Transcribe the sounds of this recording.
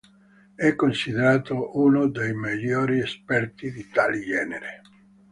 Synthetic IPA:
ɛkːonsid̪eɾaːt̪oʔunod̪ejmiʎːoːɾiespɛrt̪id̪it̪aːlid͡ʒɛːneɾe

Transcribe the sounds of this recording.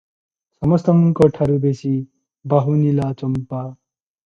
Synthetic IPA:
sʌmʌst̪ʌŋkʌʈʰaɾubesi | baɦunilat͡sʌmpa

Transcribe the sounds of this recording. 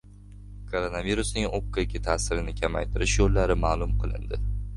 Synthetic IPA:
kʰoɾonaviɾusnɪŋop̚kʰaekʲʰɪt̪ʰaːsɪɾɪnɪkʲʰamajt̪ʰɪɾɪʃjolːaɾɪmaːlˠʊmqʰɨlˠɪ̰nd̪ɪ

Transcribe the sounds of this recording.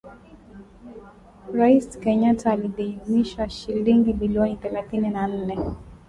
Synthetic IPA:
ɾaiskɛɲatʰaːliðimiʃaʃiliŋɡimiliɔniθɛlaθininan̩nɛ

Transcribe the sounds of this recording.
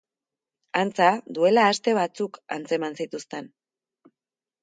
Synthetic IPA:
ant͡saðue̞laːst̪e̞β̞at͡suka̰nt͡se̞mansit̪ust̪e̞n

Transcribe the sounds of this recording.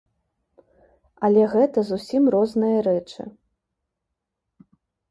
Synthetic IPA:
ɐlʲɛɣɛt̪ɐzusʲimrɔznɨjɐɾɛt͡ʂɨ̰

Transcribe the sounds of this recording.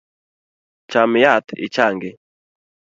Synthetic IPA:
t͡ʃamjat̪ḭt͡ʃaŋɡe

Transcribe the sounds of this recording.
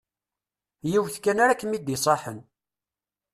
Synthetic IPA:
jiwθkːænaɾækːmid̪isˤɑħən

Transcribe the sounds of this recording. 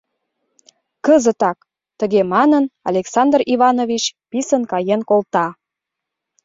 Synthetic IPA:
kəzət̪ɑk | t̪əɣemɑnənɑlʲeksɑnd̪riβɑnovit͡ɕpisənkɑjenkolt̪ɑ

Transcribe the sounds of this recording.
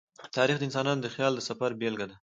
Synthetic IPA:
t̪ɑɾixd̪əɪnsɑnɑnod̪əxjɑld̪əsafaɾbelɡad̪a

